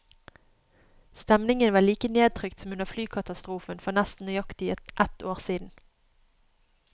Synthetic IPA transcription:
st̪ɛmnɪŋənʋɑːliːkəneːd̪̚t̪ʰʁʏkt̪sɔmʉnəʁflyːkʰɑt̪ɑst̪ʁuːfənfɔʁnɛst̪n̩œʏjɑkt̪ɪəʔɛt̪ʰoːʁsiːd̪n̩

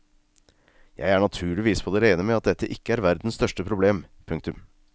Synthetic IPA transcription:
jæ̰ɪæːɳɑt̪ʰʉːɭɪʋiːspʰɔd̪eːɾeɪnəmɛɑt̪̚d̪ɛt̪ʰːəʔɪkːəæɾʋæɾd̪n̩st̪œʂʈəpʰɾʊbleːmpʰʉŋk̚t̪ʉm

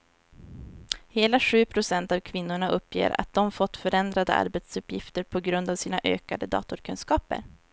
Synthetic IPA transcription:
heːlaɧʉ̟ːpʰɾʊsɛnt̪avkʰvɪnːʊɳaʔɵpːjḛːɾa̰t̪̚d̪̥ɔmfɔt̪ːfœɾɛnd̪ɾad̪ə̰ʔa̰ɾbɛt̪sɵpjɪft̪əɾpʰɔɡɾɵnd̪avsiːnaʔø̰ːkad̪əd̪ɑ̰ːt̪ʊɾkʰɵnskɑːpə̰ɾ

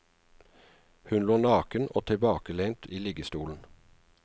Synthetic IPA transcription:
hʉnloːnɑːkəno̰ːt̪ʰɪbɑːkəleɪnt̪ʰiːlɪːɡəst̪uːln̩

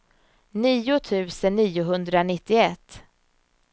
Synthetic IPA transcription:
niːʊt̪ʰʉ̟ːsənːiːʊɦɵnd̪ɾanɪt̪ːɪɛt̪ː

